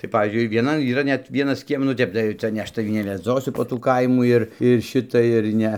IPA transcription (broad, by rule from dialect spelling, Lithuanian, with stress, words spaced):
tɐɪ ˈpɑːʋʲiːzʲd͡ʒʲʊɪ ɪr ʋʲiɛˈnɐn iːˈrɐ ˈnʲɛt ˈʋʲiɛnɐs ˈkʲiɛm nʊ ˈtʲɛp tɐɪ ˈt͡sɐ nʲɛ ˈɐʃ tɐˈʋʲiː nʲɛʋʲɛˈd͡zoːsʊ poː ˈtuː ˈkɐɪmuː ɪr ɪr ˈʃʲɪtɐ ɪr ˈnʲɛ